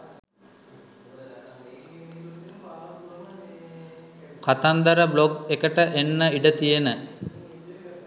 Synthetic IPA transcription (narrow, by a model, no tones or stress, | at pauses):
kat̪and̪əɾəbloɡekəʈəʔenːəiɖət̪ijenə